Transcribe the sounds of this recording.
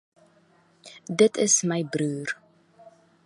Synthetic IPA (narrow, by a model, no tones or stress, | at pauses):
dətʰəsməjbruːr